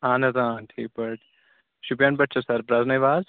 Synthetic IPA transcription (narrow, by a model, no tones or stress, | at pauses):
aːnɐt̪aːnʈʰiːk̚bɐʈ | ʃupijaːnpɐʈ̚t͡ʃʰɐsɐɾpɾaːznɐjʋaːz